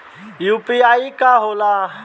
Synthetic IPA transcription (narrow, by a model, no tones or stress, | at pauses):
jupiaikaɦola